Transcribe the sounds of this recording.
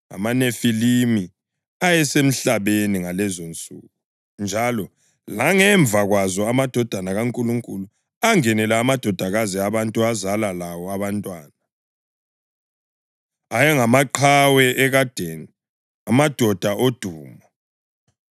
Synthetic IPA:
a̰manefilimi | ajɛsem̩ɬaβeniŋalɛzont͡sʼṵːɣu | nd͡ʒʱalɔ | laŋɛɱb̪vʱaɣwazɔamad̥ʱɔd̥ʱanaɣaŋkʼuluŋkʼulu | aŋɛnɛlɛːmad̥ʱɔd̥ʱaɣaziaβantʼuazalalawɔaβantʼwaːna | ajɛŋamaǃʰawɛʔɛɣad̥ʱeːni | amad̥ʱɔd̥ʱaʔod̥ʱuːma

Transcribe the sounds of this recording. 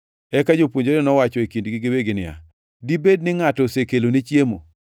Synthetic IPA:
ɛkad͡ʒopwoɲd͡ʒoɾenɔwat͡ʃɔekindɡɪɡɪweɡɪnɪ̰ja̰ | dibednɪŋatɔsekelonit͡ʃjemo̰

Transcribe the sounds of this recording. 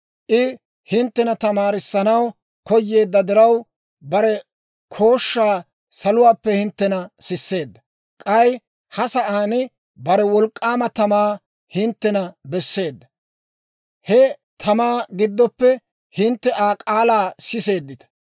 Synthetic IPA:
ʔɪ | hɪnt̪ːɛnɐt̪ɐmaːɾɪsːɐnɐw | kɔjːe̞ːd̪ːɐd̪ɪɾɐw | bɐɾɛ | kʰo̞ːʃːaː | sɐlʊwaːpːɛhɪnt̪ːɛnɐsɪsːe̞ːd̪ːɐ | kʼɐj | hɐsɐʔaːnɪ | bɐɾɛwɔlkʼːaːmɐt̪ɐmaː | hɪnt̪ːɛnɐbɛsːe̞ːd̪ːɐ | hɛt̪ʰɐmaːɡɪd̪ːɔpːɛ | hɪnt̪ːɛʔaːkʼaːlaːsɪse̞ːd̪ːɪt̪ɐ̥

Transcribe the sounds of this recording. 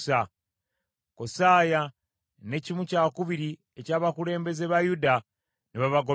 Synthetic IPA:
sa | kosaːja | ne̞cimucakuβiɾi | ecaːβakule̞ːmbe̞ze̞βajuda | niβaβaɡo

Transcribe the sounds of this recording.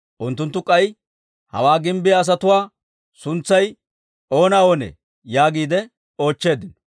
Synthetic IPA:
ʔʊnt̪ːʊnt̪ːʊkʼɐj | hɐ̰waːɡɪmbɪjɐːs̬ɐt̪ʊwaː | sʊnt͡sːɐj | ʔo̞ːnɐo̞ːnɛ̰ | jaːɡiːd̪ɛ | o̞ːt͡ʃːe̞ːd̪ɪnɔ

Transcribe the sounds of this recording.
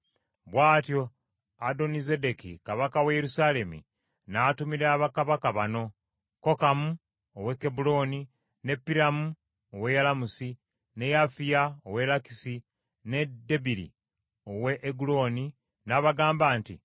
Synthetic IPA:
βwaːtjo̞ | ado̞nize̞de̞kḭkaβakawejeɾusale̞mḭ | natumiɾaβakaβakaβano̞ | ko̞kamu | owekːebulo̞ːni | ne̞pːiɾamu | owe̞jalamusi | ne̞jafijaowe̞laki̥si | ne̞dːebiɾḭ | o̞we̞ʔːɡulo̞ːni | naβaɡaːmbaːntḭ

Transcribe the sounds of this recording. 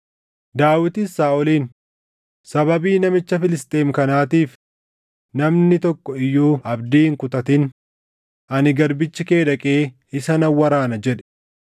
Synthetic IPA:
d̪aːwɪt̪ɪsːaːɔliːn | sɐbɐbiːnɐmɪt͡ʃːɐfɪlɪst̪ʼe̞ːmkɐnaːt̪iːf | nɐmnɪt̪ɔkːɔɪjːuːʔɐbd̪iːɪŋkʊt̪ɐt̪ɪn | ʔɐnɪɡɐɾbɪt͡ʃːɪke̞ːᶑɐkʼe̞ː | ɪsɐnɐwːɐɾaːnɐd͡ʒɛᶑɛ̥

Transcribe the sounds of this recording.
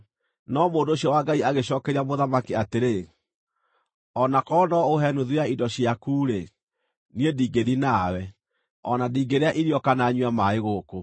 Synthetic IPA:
nɔmoːndoːɕiɔwaɡaiaɣeɕɔkɛɾiamoðamakiateɾe | ɔnakɔnɔoɦɛnuðuaidɔɕiakuːɾe | niediːɡeðinaːwɛ | ɔnadiːɡeɾeaʔiɾjɔkanaɲwamaeɣoko

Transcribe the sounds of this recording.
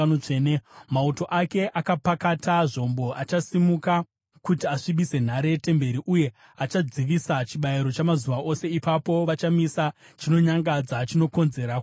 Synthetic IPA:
ot͡ʂenemauto̞ʔake̞ʔakapakataʐo̞mbo̞ʔat͡ʃasimuka | kutiaʂiɓise̞n̤aɾe̞te̞mbe̞ɾiʔuje̞ | at͡ʃad͡ziʋisat͡ʃiɓajiɾo̞t͡ʃamazuʋaʔo̞se̞ipapo̞ʋat͡ʃamisa | t͡ʃino̞ɲaŋɡad͡zat͡ʃino̞ko̞nze̞ɾa

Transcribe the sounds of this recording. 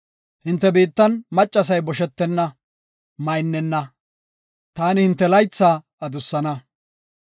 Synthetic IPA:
hɪnt̪ːɛbiːt̪ːɐnmɐt͡ʃʼːɐs̬ɐjbɔʃɛt̪ːɛnːɐ | mɐjnːɛnːɐ | t̪aːnɪhɪnt̪ːɛlɐjt͡sːaː | ɐd̪ʊsːɐnɐ

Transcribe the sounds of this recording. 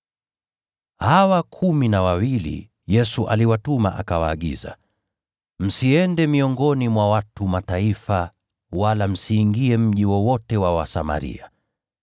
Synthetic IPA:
hawakʰuminawawilḭ | jɛsuʔaliwatuma̰ʔakawaːɠḭza̰ | m̩siɛndɛmiɔŋɡɔnimwawatumataifa | walam̩siːŋɡiɛm̩ʄiwɔwɔtɛwawa̰sama̰ɾḭa

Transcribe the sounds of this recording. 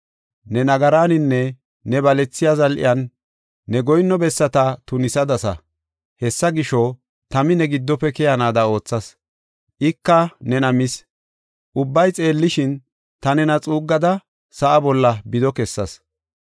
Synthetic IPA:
nɛnɐɡɐɾaːnɪnːɛː | ɛbɐlɛt͡sːɪjazɐlʔɪ̰jɐnː | ɛɡɔjnːɔbɛsːɐt̪ɐt̪ʊnɪsɐd̪ɐsɐ̰ | hɛsːɐɡɪʃɔ | t̪ɐmɪnɛɡɪd̪ːɔpːɛkɛjɐnaːd̪ɐo̞ːt͡sːɐs | ʔɪkːɐnɛnɐmɪs | ʔʊbːɐjt͡sʼe̞ːlːɪʃɪn | t̪ɐnɛnɐt͡sʼuːɡːɐd̪ɐ | sɐʔɐbɔlːɐbɪd̪ɔkɛsːɐs

